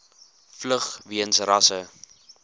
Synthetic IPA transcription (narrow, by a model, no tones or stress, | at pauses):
fləχviənsrɐsə